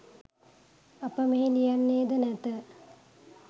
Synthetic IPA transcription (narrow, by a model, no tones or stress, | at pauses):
apəmeɦenijanːeːd̪ənæt̪ə